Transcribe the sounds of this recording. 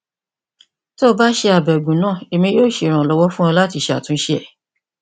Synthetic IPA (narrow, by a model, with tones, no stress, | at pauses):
to˦ba˦ʃe˧a˨bɛ˨ɡũ˨nãː˦˨e˧mĩ˧joː˦˨ʃe˧˨ɾ̃ã˨lɔ˦wɔ˦fũ˦ã˧la˦ti˧ʃe˧a̰˨tũ˨˦ʃe˦ɛ˦˨